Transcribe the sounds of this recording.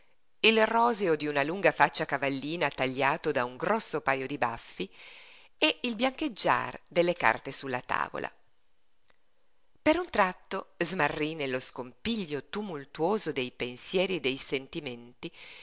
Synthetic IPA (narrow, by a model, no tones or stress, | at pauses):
ilrɔːzeod̪iunaluŋɡafat͡ʃːakavalːiːnat̪aʎːaːt̪od̪auŋɡɾɔsːopaːjod̪iba̰fːi | eilbjaŋked͡ʒːa̰rd̪elːeka̰rt̪esulːat̪a̰ːvo̰lʔa̰ | peɾunt̪ɾat̪ːozmarːinelːoskompiʎːot̪umult̪uoːzod̪ejpensjɛːɾied̪ːejsent̪iment̪i